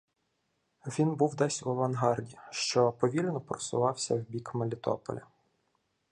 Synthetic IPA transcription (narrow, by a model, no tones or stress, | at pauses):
ʋʲinbuwd̪ɛsʲuɐʋɐnɦɑrdʲiʃt͡ʃɔpɔʋʲilʲnɔpɾɔsʊ̰ʋɑwsʲɐwbʲikmelʲɪt̪ɔ̰pɔ̰lʲɐ